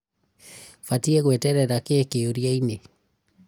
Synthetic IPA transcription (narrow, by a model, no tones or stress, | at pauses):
fatiɛɣwɛtɛɾɛɾakeːkeoɾjaine